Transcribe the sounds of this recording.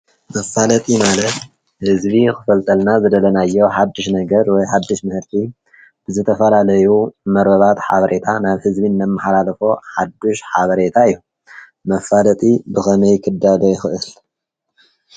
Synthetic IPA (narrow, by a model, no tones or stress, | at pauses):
mɐfalɐt̪ʼimalɐt̪ | hɨzbixɨfɐlt̪ʼɐlnazɨd̪ɐlɐnajːowħad̪ːɨʃnɐɡɐɾwɔjħad̪ːɨʃmɨhɨɾt̪ʰʼi | b̥ɨzɨt̪ʰɐfɐlalɐjumɐɾbɐβat̪ħa̰βɐɾʔe̞t̪ʰanaβhɨzbinːɐmːɨħalalɐfoħad̪ːuʃħaβɐɾe̞t̪ʰaɨjːu | mɐfalɐt̪ʼibɨxɐnɐjkʰɨd̪ːalojɪxɨʔɨl